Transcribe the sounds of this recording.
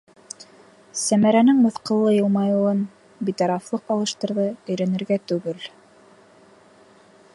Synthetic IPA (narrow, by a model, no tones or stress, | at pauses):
sæmæɾænɘŋmɤ̆θqɤ̆lˠːɤjɤ̆lˠmɑjuwɤn | bit̪ɑɾɑflˠɤqɑlˠɤ̆ʃt̪ɤ̆ɾðɤɵ̆jɾænɘ̆ɾɡæt̪ʉɡɘl